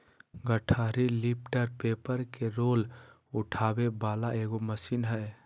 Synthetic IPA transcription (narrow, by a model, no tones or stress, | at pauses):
ɡəʈʰaɾilip̚ʈəɾpepəɾkeɾol | uʈʰabebalaeɡoməsinɦəj